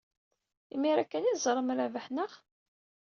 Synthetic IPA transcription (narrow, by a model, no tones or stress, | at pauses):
imiɾækːænizˤɾˤəmɾævəħnəχ